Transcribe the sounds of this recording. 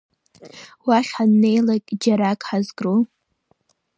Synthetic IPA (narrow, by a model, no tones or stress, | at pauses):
waχʲħanːe̞jlakʲʼd͡ʒaɾakʼħazɡro